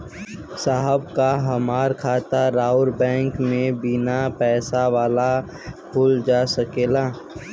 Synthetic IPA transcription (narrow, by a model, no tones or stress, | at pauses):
saːɦəbkaɦəmaːɾkʰaːt̪aɾaːʊɾbɛ̃ːŋkmẽbɪnapɛːsaʋaːla | pʰʊːld͡ʒaːsəkeːlaː